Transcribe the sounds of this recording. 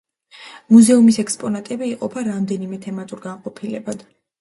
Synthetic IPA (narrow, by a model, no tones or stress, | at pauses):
muzɛumisɛkspʼɔnat̪ʼɛbiiqʼɔpʰaɾamd̪ɛnimɛt̪ʰɛmat̪ʼuɾɡanqʼɔpʰilɛbad̪̥